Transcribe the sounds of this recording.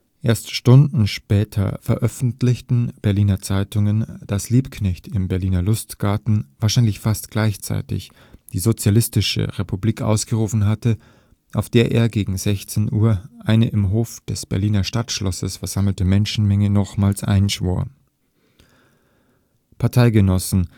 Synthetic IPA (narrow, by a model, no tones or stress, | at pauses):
ʔeːɐstʃtʊndn̩ʃpɛːtʰɐ̰fɛɐʔœfn̩tlɪçtn̩b̥ɛɐliːnɐt͡saɪtʊŋənd̥asliːpkʰnɛçtɪmbɛɐliːnɐlʊstɡ̥aɐtn̩vaːɐʃaɪnlɪçfastɡ̥laɪçt͡sa̰ɪtɪ̰ç | d̥iːzot͡sjalɪstɪʃə̰ʁepubliːkʔa̰ʊsɡ̥əʁuːfn̩ɦatə | ʔaʊfd̥eːɐʔḛːɐɡeːɡŋ̩zɛçt͡senʔuːɐʔaɪnəʔɪmɦoːfd̥ɛsb̥ɛɐliːnɐʃtatʃlɔsəsfɛɐz̥aml̩təmɛnʃn̩mɛŋənɔχmaːlsʔa̰ɪnʃv̥o̰ːɐ | pʰaɐtʰaɪɡənɔsn̩